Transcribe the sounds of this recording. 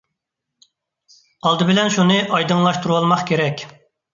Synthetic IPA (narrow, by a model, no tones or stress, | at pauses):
ɑlˠd̪ɨbɪlɛnʃunɨʔɑjd̪ɨŋlˠɑʃt̪uɾuwɑlˠmɑχkʲʰeɾɛkʲ